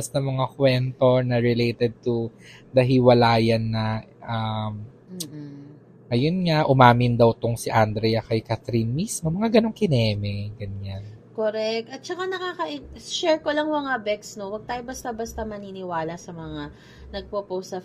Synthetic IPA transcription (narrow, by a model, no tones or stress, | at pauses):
ɐst̪ɐmɐŋakwɛnt̪o̞nɐɹɪlejt̪ɛd̪̚t̪u | d̪ɐɦɪwɐlaːjɐnːɐ | ʔam̩ | ʔɐjonŋaʔʊmaːmɪnd̪ɐwt̪ʊŋsɪʔand̪ɾɛjɐkɐjkat̪ɾinmismomɐŋaɡɐno̞ŋkɪnɛːmɛɡɐɲːankoɾɛk̚t̪ʔɐt̪̚t͡ʃɐkanɐkaːkɐʔɪʃɛɹkolɐŋmɐŋabɛksno̞wɐɡ̚t̪aːjobɐst̪ɐbɐst̪ɐmɐninɪwaːlɐsɐmɐŋa | nɐɡ̚popowsɐ